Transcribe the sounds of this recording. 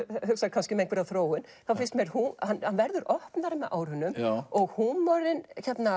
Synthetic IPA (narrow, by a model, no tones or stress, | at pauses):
hʏksakʰanscɪmeŋk̪vɪɾaθɾoːwɪnθafɪnst̪mɛɾ̥huhanːhanvɛɾðʏɾɔhpnaɾmɛʔa̰ːwɾ̥hʏnːʏmɔɣhunːɔɾɪnçɛt̪na